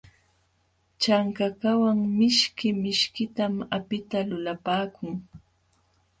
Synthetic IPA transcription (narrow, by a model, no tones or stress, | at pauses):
t͡ʃaŋkakawaŋmɪʃkɪmɪʃkɪt̪amapɪt̪alʊlapaːkʊŋ